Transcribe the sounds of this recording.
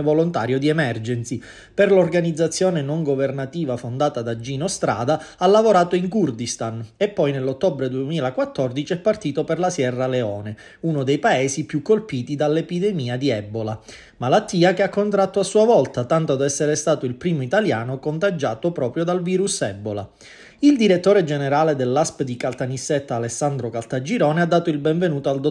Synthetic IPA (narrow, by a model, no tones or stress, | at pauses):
volont̪a̰ːɾjod̪iɛmɛrd͡ʒɛnsi | perlorɡanid̪zat̪sːjoːnenoŋɡovernat̪iːvafond̪aːt̪ad̪ad͡ʒːiːnost̪ɾa̰ːd̪aalːavoɾaːt̪oiŋkurd̪ist̪anepːɔjnelːot̪ːɔbɾed̪uemiːlakwat̪ːɔrd̪it͡ʃiɛpːart̪iːt̪operlasjɛrːaleɔːne | unod̪ejpaeːsipjukːolpiːt̪id̪alːepid̪ɛmiːad̪iɛbːola | malat̪ːiːakeakːont̪ɾat̪ːoasːuːavɔlt̪at̪ant̪od̪ɛsːeɾest̪aːt̪oilpɾiːmoit̪aljaːnokont̪ad͡ʒaːt̪opɾɔːpɾjod̪alviːɾusɛbːola̰ | ild̪iɾet̪ːoːɾed͡ʒeneɾaːled̪elːaspd̪ikalt̪anisːet̪ːaːlesːand̪ɾokalt̪ad͡ʒiɾɔːnead̪ːaːt̪oilbɛɱvenuːt̪oald̪o